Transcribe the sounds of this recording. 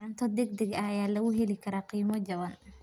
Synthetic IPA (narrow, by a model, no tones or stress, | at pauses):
ɐnt̪ʰɐd̪ɛɡ̚d̪ɛɡɐjaːlɐɣʊɦɛlɪkʰɐɾaːqiːmɔd͡ʒɐβɐn